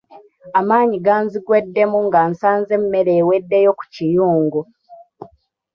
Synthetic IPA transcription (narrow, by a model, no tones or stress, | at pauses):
amaːɲiɡaːnziɡwe̞dːe̞muŋɡansaːnze̞mːeɾeːwedːejo̞ku̥cijuːŋɡu